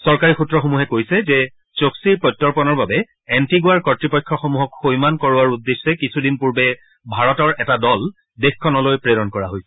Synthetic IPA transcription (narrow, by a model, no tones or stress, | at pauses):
sɔɹkaɹixutːɹɔxomuɦɛkojsɛzɛ | t͡ʃoksiɹpɹɔjtːɔɹpɔnɔɹbabɛ | ɛntiɡʊaɹkɔtɹipɔjkʰːɔxomuɦɔkxojmankɔɹʊaɹudːesːɛkisʰudinpuɹbɛ | bʱaɹɔtɔɹʔɛtadɔl | dexkʰɔnɔlojpɹedɔnkɔɹaɦojsɛ̥